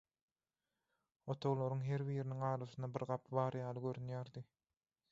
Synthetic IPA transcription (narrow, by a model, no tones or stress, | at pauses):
o̞t̪ʰo̞ɣlˠoɾuŋɦe̞ɾβiːɾiniŋɑːɾɑsɯnɑbiɾɢɑpʰbɑːɾjɑːlˠɯɡøɾynjæːɾd̪i